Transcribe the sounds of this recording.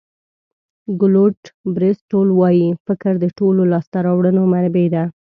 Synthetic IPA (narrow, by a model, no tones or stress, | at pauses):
ɡʊloʈbɾɪsʈolwɑjifɪkɾd̪əʈololɑst̪aɾɑwɽənomaɾbed̪a